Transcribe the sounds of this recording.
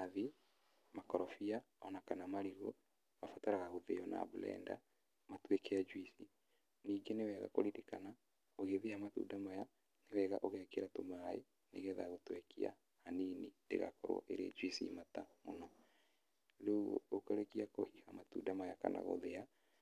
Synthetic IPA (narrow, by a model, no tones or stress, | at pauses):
aði | makɔɾɔfia | ɔnakanamaɾiɣo | mafataɾaɣaɣoðeɔna̰bulɛ̰ːnda̰ | matwekɛad͡ʒwisi | niːɡenewɛɣa̰ko̰ɾiɾekana | oɣeðeamatṵdamaja | newɛɣaʔoɣɛkeɾatomaḛ | nḛɣɛðaɣotwekḭa̰ | haninindḛɣa̰kɔɾwɔ̰ʔeɾḛd͡ʒwisḭmatamonɔ | leuɣo̰okoɾekiakohihamatṵːdamajaka̰nʔa̰ɣo̰ðea